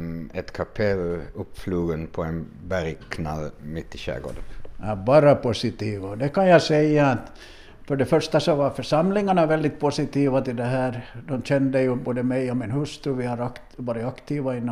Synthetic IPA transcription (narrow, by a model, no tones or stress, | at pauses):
ɛt̪kʰɑpʰeɵpːfluːɡənpʰɔɛnbæɾjkʰna̰lːmɪt̪ːɪɕæ̰ːɡo̰ːd̪ənɑbɑːɾapʰʊsɪt̪iːʋaɔd̪ɛkɑnjɑsɛjːaːt̪ | fœɖɛfœʂt̪asɔvɑfœʂɑmlɪŋaɳavɛld̪ɪt̪̚pʰʊsɪt̪iːʋat̪ɪld̪ɛɦæːɾd̪ɔmɕɛnd̪əjʉboːd̪əmɛjɔmɪnhɵst̪ɾʉʋɪhɑɾɑk | ʋɑːɾɪɑkt̪iːʋaɪnː